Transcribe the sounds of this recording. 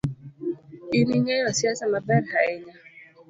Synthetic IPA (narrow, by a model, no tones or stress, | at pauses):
iniɲɛjɔsiasamabɛnhaɛɲa